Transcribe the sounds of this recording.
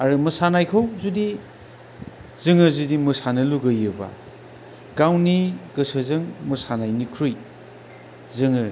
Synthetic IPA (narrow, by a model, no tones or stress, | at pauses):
aɾɯmɯsanajkʰɯwzudi | zɯŋɯzudimɯsanɯluɡɯjɯba̰ | ɡawniɡɯsɯzɯŋmɯsanajnikʰɾuj | zɯŋɯ